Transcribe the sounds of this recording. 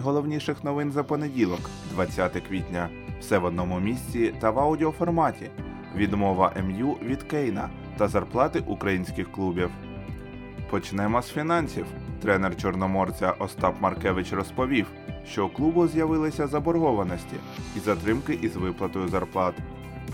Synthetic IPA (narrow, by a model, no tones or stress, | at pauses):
ɦɔlˠɔwnʲiʃɪxnɔʋɪnzɐpɔnedʲilˠɔkd̪ʋɐt͡sʲːat̪ɪkʋʲitʲnʲɐ | wsɛʋɔd̪̚nɔmʊmʲisʲt͡sʲit̪ɐʋɐwdʲiɔfɔrmɑtʲi | ʋʲid̪mɔʋɐʔɛmjuʋʲid̪kɛjnɐ̰ | t̪ɐzɐrplˠɑt̪ɪʔukɾɐjinʲsʲkɪxklˠubʲiw | pɔt͡ʃnɛmɔsfʲinɑnʲsʲiwt̪ɾɛnert͡ʃɔrnɔmɔrt͡sʲɐʔɔst̪ɑpmɐrkɛʋɪt͡ʃrɔspɔʋʲiw | ʃt͡ʃɔklˠubʊzʲjɐʋɪlˠɪsʲɐzɐbɔrɦɔʋɐnɔsʲtʲḭizɐt̪ɾɪmkɪʔizʋɪplˠɐt̪ɔjʊzɐrplˠɑt̪